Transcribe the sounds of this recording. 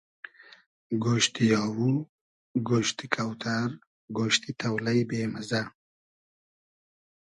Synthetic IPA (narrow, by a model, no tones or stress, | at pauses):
ɡoːʃt̪ijɑːwu | ɡoːʃt̪ikʰawt̪ʰaɾ | ɡoːʃt̪it̪ʰɐwlajbeːmaza